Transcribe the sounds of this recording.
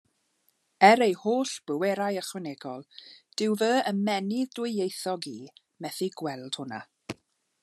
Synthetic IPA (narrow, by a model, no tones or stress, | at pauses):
ɛɾejhoːɬb̥əwɛɾajəχwɛnɛɡɔlˠd̥ɪwvəːəmɛnɪðdwɪejθɔɡiː | mɛθiɡwɛlˠd̥hʊna̰